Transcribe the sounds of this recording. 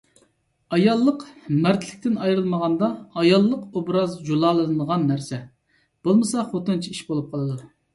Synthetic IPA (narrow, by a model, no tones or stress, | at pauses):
ɑjɑlˠːəqmæɾt̪ʰlɪ̥kʲt̪ɪnɑjɾɨlˠməʁɑnd̪ɑːjɑlˠːəqobɾɑzd͡ʒulˠɑːlˠɨnɨnəʁɑnːæɾsɛ | b̥olˠmɨsɑχot̪ɨnt͡ʃʰiiʃbolˠup̚qʰɑlˠɨd̪u